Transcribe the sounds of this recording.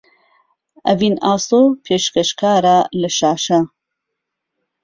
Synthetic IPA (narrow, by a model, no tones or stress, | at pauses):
ɐvinaːsopʰeːʃkɐʃkʰaːɾaːlɐʃaːʃɐ